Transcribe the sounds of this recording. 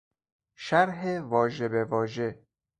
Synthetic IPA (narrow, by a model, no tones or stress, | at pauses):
ʃæɾɦevɒːʒebevɒːʒe